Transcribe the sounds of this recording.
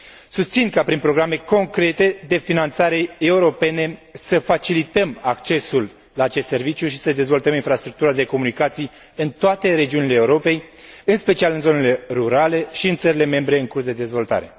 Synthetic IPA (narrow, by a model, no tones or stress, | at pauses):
sust̪sinkapɾinpɾo̞ɡɾame̞ko̞ŋkɾe̞t̪e̞d̪e̞finant̪saɾe̞euɾo̞pe̞ne̞səfat͡ʃilit̪əmakt͡ʃe̞sulː | aːt͡ʃest̪se̞rvit͡ʃjuʃi̥səd̪e̞zvo̞lt̪əminfɾast̪ɾuk̚t̪uɾad̪e̞ko̞munikat̪sij | ɨnt̪oat̪e̞ɾe̞d͡ʒiunile̞ːuɾo̞pe̞jɨnspe̞t͡ʃialɨnzo̞ne̞le̞ruɾale̞ʃiɨnt̪səɾile̞me̞mbɾe̞ɨŋkursd̪e̞d̪e̞zvo̞lt̪a̰ɾe̞̰